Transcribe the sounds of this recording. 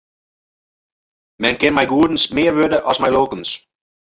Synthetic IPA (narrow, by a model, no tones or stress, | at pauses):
mɛnkɪnmɛjɡuːdən̩smɪːɹʋødəʔɔsmɛjloːkəns